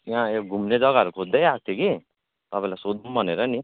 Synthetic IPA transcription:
jãoɡʱumned͡zʌɡaʌɾukʰod̪ʌjat̪ʰjiki | t̪ʌpãĩlajsod̪umbʱʌneɾʌni

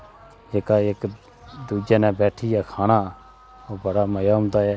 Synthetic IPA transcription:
eːkaːek | d̪uːd͡ʒeːnɛ̃ːbɛːʈʰiːjaːkʰaːnaː | oːbəɽaːməjaːmt̪aːɛː

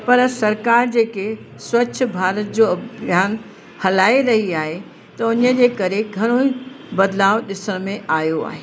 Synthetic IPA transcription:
pɐɾsɐɾkaːɾd͡ʑeːke | swɐt͡ɕ̆ʰbʱaːɾət̪̚d͡ʑoːɐbʱjaːn | hɐlaːiɾɐɦiaːɦe | t̪ɐʊnəd͡ʑeːkɐɾeɡʱɐɽ̃oi | bɐd̪laːʋɗɪsəɽ̃mẽʔaːjoa̰ːɦeː

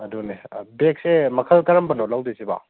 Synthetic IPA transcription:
ɐdunebek̚semɐkʰɐlkɐɾɐmbɐnɔlawdeseba̰

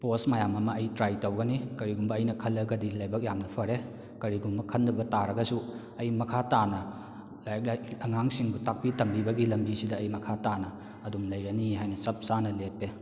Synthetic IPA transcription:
posmajamɐmɐɐjtɾajtɐwɡɐnikɐɾiɡumbɐɐjnɐkʰɐlːɐɡɐdilɐjbɐk̚jamnɐpʰɐɾe | kɐɾiɡumbɐkʰɐnːɐbɐtaɾɐɡɐsu | ɐjmɐkʰatanɐ | lajk̚laɐŋaŋsiŋbutak̚pitɐmbibɐɡilɐmbisidɐːjmɐkʰatanɐ | ɐdumlɐjɾɐniɦajnɐsɐp̚sanɐlepːe

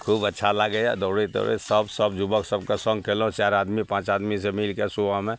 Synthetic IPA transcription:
kʰuːbətːʃʰalaɡəja̰d̪ɔːɽet̪o̰ːɽḛsəbsəbd͡ʒʊbəksəbkasə̃ŋɡkʰelõt͡ʃaːɾaːd̪mipãːt͡ʃaːd̪misemɪlkesuʋamẽ

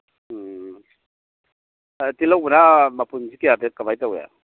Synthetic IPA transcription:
tilawbunamapunzikijabekabajtawja̰

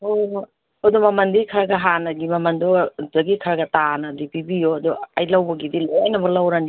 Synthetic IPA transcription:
o | odɔmɐmɐndikʰɐɾɐɡɐɦanɐɡimɐmɐndɔzɐɡikʰɐɾɐɡɐtanɐdipibijodɔɐjlɐwbɐɡidilenɐbɐlawɾani

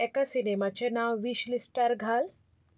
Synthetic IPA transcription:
ekasinemat͡ʃenawʋiʃlisʈəɾɡʱaːl

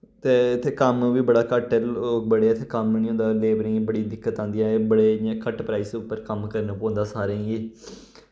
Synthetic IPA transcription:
t̪eːɪt̪ʰːeːkəmʋiːbəɽaːkəʈəobəɽeɪt̪ʰːeːkəmnĩːɦõːnd̪aːleːbəɾĩːbəɽiːd̪ɪkːət̪ãːnd̪ijãːebəɽẽːkəʈpɾaːiːsʊpːəɾkəmkəɾnãːpɔ̃ːnd̪aːsaːɾẽːɡeː

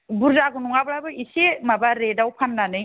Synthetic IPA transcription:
buɾzaɡunuŋabɾabɯisemabaɾedawpʰanːanɯj

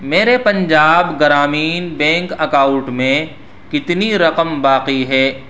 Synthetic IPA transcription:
meːɾepɐ̃ɲd͡ʒaːbɡɐɾaːmiːnbɛ̃ːŋkɐkãːʊ̃ɳʈmẽ | kɪt̪niɾɐqəmbaːqiɦɛː

